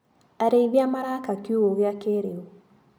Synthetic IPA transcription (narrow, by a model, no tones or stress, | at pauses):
aɾeiβjamaɾakakjoɣoɣeakeɾeo